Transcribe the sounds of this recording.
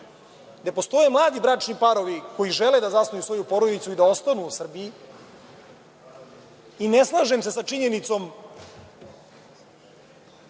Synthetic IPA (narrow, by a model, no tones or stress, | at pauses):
d̪apo̞st̪o̞jemlˠaːd̪ibɾat͡ʂnipaɾo̞ʋiko̞jiʒeled̪azasnujusʋo̞jupo̞ɾod̪it̪suid̪ao̞st̪anuːsr̩biji | ineslˠaʒemse̞sat͡ʂiɲe̞nit̪so̞m